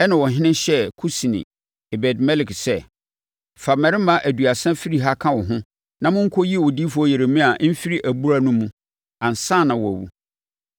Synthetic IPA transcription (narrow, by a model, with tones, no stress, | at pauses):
ɛ˦nã˨wɔ˨ɦɪ̃˦nɪ̃˦ɕɛ˦kʰu˦si˨nḭ̃˨ | e˨bɛ˨dmɛ˦lɪ˨ksɛ˦ | fa˨mɛ˨ɾɪ˦mã˦ʔæ˨du˨a˨sɛ̃˦fi˦ɾi˦ɦa˦kʰã˦wɔ˨ɦʊ̃˦ | nã˨mʊ̃˦ŋ̩˦kʰo˦ji˦˨wɔ˨diː˦fɔ˦je˨ɾe˨mĩ˦a˨˦m̩˦fi˦ɾi˦ʔæ˨bu˦ɾa˦nũ˦mũ˦ | ã˨n˨sã˦˨nã˨wɔ˨æ̰˨wṵ˨